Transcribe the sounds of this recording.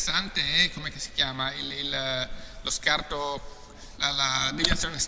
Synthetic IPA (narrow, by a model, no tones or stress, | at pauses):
sːant̪eɛkomekesi̥kjaːmaililloskart̪o | lalad̪ivinat̪sjoːnes